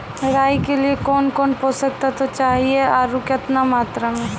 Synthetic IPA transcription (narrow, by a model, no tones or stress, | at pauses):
ɾaːjkeliekɔːnkɔːnposək̚t̪at̪ot͡ʃaːɦieaːɾukjət̪namaːt̪ɾamẽ